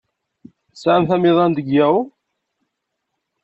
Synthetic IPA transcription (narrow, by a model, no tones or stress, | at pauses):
sʕamθæmɪðˤɑnd̪əɡːæw